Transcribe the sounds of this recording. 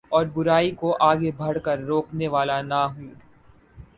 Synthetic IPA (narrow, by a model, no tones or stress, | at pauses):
ɔːɾbʊɾaːikoʔaːɡebʱɐɽkəɾːoːkneʋaːlanaɦui